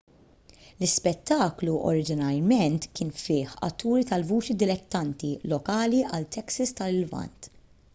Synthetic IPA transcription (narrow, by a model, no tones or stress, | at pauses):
lɪspɛt̪ːɐːkluʔɔ̰ɾɪd͡ʒɪnɐɾmɛnt̪kɪːnfɪːħɐ̰t̪ːuːɾit̪ɐlvuːt͡ʃid̪ɪlɛt̪ːɐnt̪ilɔkɐːliʔɐlt̪ʰɛksɐst̪ɐlɪlvɐ̰nt̪